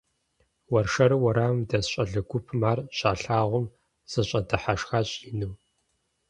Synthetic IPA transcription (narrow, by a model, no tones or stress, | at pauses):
wɐrʂɐɾɨwɐɾaːmdɐsɕʼɐɮɨɡʷʊpʰmaːrɕʼaːɬaːʁʷʊm | z̥ɨɕʼɐdɨħaʂxaːɕʼjɪnu